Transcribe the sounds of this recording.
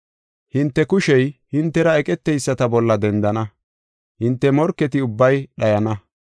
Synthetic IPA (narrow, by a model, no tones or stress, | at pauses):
hɪnt̪ːɛkʊʃɛjhɪnt̪ːɛɾɐɛkʼɛt̪ːɛjsːɐt̪ɐbɔlːɐd̪ɛnd̪ɐnɐ | hɪnt̪ːɛmɔɾkːɛt̪ɪʊbːɐjɗɐjɐnɐ